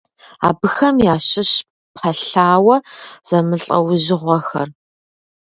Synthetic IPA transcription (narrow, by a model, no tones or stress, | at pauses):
a̰ːbɨxɐmjaːɕɪɕ | pχɐɬaːwɐz̥ɐmɨɬʼɐ̰wʊʑɪʁʷɔxɐ̰r